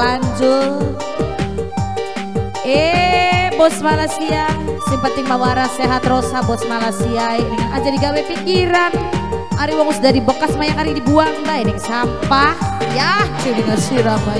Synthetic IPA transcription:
aɲd͡ʒʊr | e | bɔsmalasiasɪŋpənt̪ɪŋmawaɾaseɦat̪rosabɔsmalasiaibiŋanad͡ʒadiɡawɛfikiɾanaɾiwaŋusdadibəkasmajaŋaɾidibuaŋbainɛŋsampahjat͡ʃediŋasiɾaba

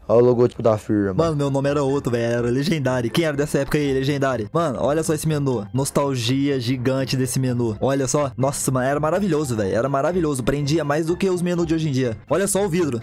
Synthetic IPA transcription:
aʊloɡɔt͡ʃi̥pʊd̪afiɾɐmmɐ̃nʊmewnõmɪɛɾɐowt̪ɾʊvɛjɛɛɾɐleʒẽnd̪aɾjʊkẽj̃ɛɾɐd̪ɛsɐɛpʊ̥kɐileʒẽnd̪aɾjʊmɐ̃nʊ̰ʔɔʎɐsɔesɪmenunost̪awʒiɐʒiɡɐ̃t͡ʃɪd̪esɪmenuɔʎɐsɔnɔsɐmɐ̃nɛɾɐmaɾaviʎozʊvɛjʊɛ̰ɾɐmaɾaviʎozʊpɾẽd͡ʒiɐmajzd̪ʊkeʊzmenuzd͡ʒɪoʒẽd͡ʒiɐɔʎɐsɔʊvid̪ɾʊ

